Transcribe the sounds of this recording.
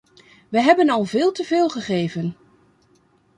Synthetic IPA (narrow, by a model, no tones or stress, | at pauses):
ʋəɦɛbənɑlˠvɪːlˠtəvɪːlˠχəχeːvən